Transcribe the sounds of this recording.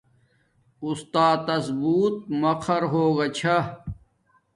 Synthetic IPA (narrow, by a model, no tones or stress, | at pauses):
ust̪aːt̪ɐsbuːt̪̚mɐqʰɐɾɦoːɡɐt͡ɕʰa